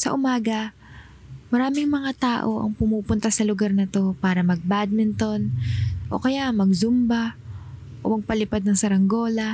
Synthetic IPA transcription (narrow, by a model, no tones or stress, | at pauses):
sɐʔʊmaːɡɐ | mɐɾaːmɪŋmɐŋat̪aːʔo̞ʔɐ̰ŋpʊmuːpʊnt̪asɐlʊɡaɾnɐt̪o̞paːɾɐmɐɡ̚bad̪̚mɪnt̪o̞nʔo̞̰kɐjaʔmɐɡ̚zʊmba | ʔo̞̰mɐɡ̚pɐlɪpad̪̚nɐŋsɐɾɐŋɡo̞ːlɐ